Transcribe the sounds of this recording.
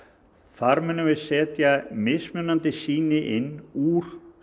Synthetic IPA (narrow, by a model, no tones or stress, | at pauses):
θaɾmɛnːavɪðsɛːt̪jamɪsmʏnːant̪ɪsiːnɪʔɪnːuɾ̥